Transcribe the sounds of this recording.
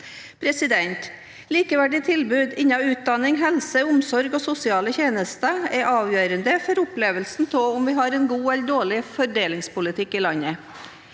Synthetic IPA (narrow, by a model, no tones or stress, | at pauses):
pʰɾɛsɪd̪ɛnt̪ | liːkəʋæɖɪt̪ʰɪlbʉːd̪ɪnːɑʉːt̪̚d̪ɑnɪŋɦɛlsəʊmsɔɾɡoːsʊsɪɑːləçeːnəst̪əɛʔɑːʋjøːɾənd̪əfɔɾʊpleːʋəlsn̩t̪ʰoːʊmʋɪːɦɑɾɛnɡuːɛld̪oːɭɪfɔɖeːlɪŋspʊlɪt̪ʰɪkːiːlɑnə